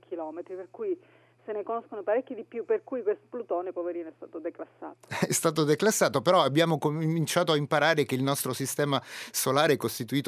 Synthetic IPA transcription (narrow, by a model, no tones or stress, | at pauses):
kʰilɔːmet̪ɾiperkuj | senekonoskonopaɾekʲːid̪ipjupːerkuːjkwest̪o̥plut̪oːnepoveɾiːnoɛst̪a̰ːt̪od̪eklasːa̰ːt̪o̥ɛst̪aːt̪̬od̪eklasːaːt̪opeɾɔabːjaːmokommint͡ʃaːt̪oaimpaɾaːɾek̟eilnɔst̪ɾosist̪ɛːmasolaːɾeɛkːost̪it̪uiːt̪o